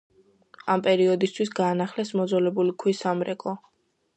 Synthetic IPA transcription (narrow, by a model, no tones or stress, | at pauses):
ampʼɛɾiɔd̪ist̪ʰwisɡaːnaχlɛsmɔd̪zɔlɛbulikʰwisamɾɛkʼɔ